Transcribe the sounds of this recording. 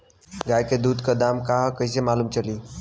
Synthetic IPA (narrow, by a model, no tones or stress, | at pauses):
ɡajked̪ud̪kəd̪amkaɦkəjsemalumt͡ʃəli